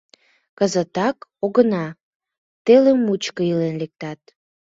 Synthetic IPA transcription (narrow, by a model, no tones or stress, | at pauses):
kəzət̪ɑkoɣənɑ | t̪elemːut͡ɕkəilenlek̚t̪ɑt̪̚